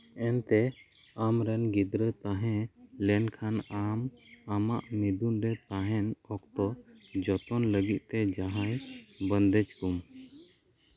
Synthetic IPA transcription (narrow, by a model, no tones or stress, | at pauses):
ɛnt̪ɛ | amɾɛnɡid̪ɾət̪aɦɛ̃lɛnkʰanamamaʔmid̪unɾɛt̪aɦɛnɔkt̪ɔd͡ʒɔt̪ɔnləɡit̪̚ˀt̪ɛd͡ʒaɦajbənd̪ɛd͡ʒkum